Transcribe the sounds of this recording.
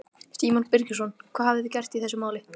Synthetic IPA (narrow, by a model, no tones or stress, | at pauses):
st̪iːmɔnpɪɾcʏs̬ɔnkʰv̥aːhavðɪðɪcɛr̥t̪iθɛsːʏmaːwlɪ